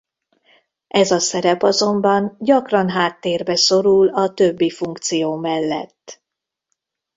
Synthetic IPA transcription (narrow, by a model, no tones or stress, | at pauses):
ʔɛzɒsɛɾɛpɒzo̞mbɒnɟɒkrɒnɦaːt̪ːeːrbɛso̞ɾulɒt̪øbːifuŋkt̪sijoːmɛlːɛ̰t̪ː